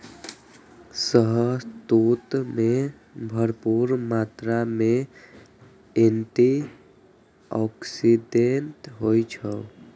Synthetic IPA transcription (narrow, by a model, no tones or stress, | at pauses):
səɦəst̪ut̪me | bʱəɾpuɾmat̪ɾame | enʈi | ɔksiɖenʈɦojt͡ʃʰə